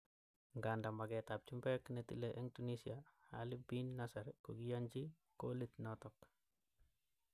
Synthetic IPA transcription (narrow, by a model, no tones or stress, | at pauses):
ŋɡandamaɡɛt̪ap̚t͡ʃumbɛknet̪ḭleʔɛŋtunisiaha̰lɪbinːasaɾkoɡijaɲd͡ʒi | kolit̪nɔt̪ɔk